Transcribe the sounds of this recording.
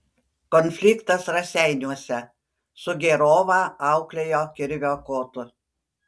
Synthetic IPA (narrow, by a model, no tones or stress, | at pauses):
kɔnʲfʲlʲɪkt̪ɐsɾɐsʲæˑɪnʲuɔsʲɛ | sʊɡʲeɾoːʋɑːɑˑʊklʲejoːkʲɪɾʲʋʲoːkoːt̪ʊ